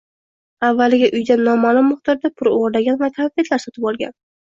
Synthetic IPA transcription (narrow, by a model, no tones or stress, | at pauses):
avːalɪɡʲaʔʊjd̪anːɒmalˠʊmːʊχt̪ɒɾd̪apʰʊɾoʁɾd̪aɡʲanvak̪ʰafet̪ʰlaɾsɒt̪ʰɪpɒlˠɡʲa̰n